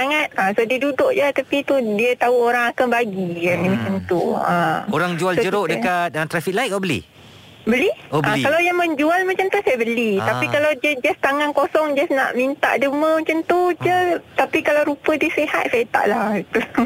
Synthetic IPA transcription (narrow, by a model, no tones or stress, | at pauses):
saŋat̪̚asodiədudʊʔd͡ʒat̪apit̪udiət̪auoɾaŋakanbaɡikanimãt͡ʃamt̪uaoɾaŋd͡ʒualsd͡ʒəɾoʔdəkat̪̚at̪ɾafik̚laik̚abəlḭ | bəliobʔãlkalawjaŋmə̃ɲd͡ʒualmat͡ʃamt̪usajəbəlit̪apikalawdiəd͡ʒast̪aŋankosɔŋd͡ʒasna̰ʔmint̪a̰ʔdəmə̃mat͡ʃamt̪ud͡ʒət̪apikalawɾupədiəseha̰t̪̚sajət̪a̰ʔlahit̪u